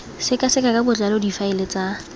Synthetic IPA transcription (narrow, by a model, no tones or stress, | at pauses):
sɪkʼasɪkʼakabʊt͡ɬalodifaɪlet͡sʼa